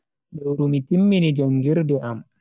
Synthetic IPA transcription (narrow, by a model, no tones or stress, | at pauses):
dɔwɾumitimːinid͡ʒoŋɡiɾdɛʔam